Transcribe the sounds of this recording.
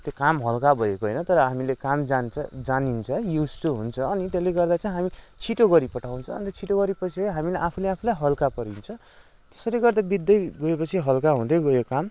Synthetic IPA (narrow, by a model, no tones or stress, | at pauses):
t̪jokamɦʌlkabʱʌekoɦʌ̰jnʌt̪ʌɾʌɦamilekamd͡zant͡sʰʌd͡zanint͡sʰʌjusʈuɦunt͡sʰʌːnit̪eleɡʌrd̪at͡saĩɦami | t͡sʰiʈoɡʌɾipʌʈʰaw̃nt͡sʰʌːnt̪ʌt͡sʰiʈoɡʌɾipʌt͡sʰijɦamilaʔapʰuleapʰulajɦʌlkapʌɾint͡sʰʌ | t̪e̥sʌɾeɡʌrd̪abid̪ːʌjɡʌepʌt͡sʰiɦʌlkaɦũd̪ʌjɡʌjokam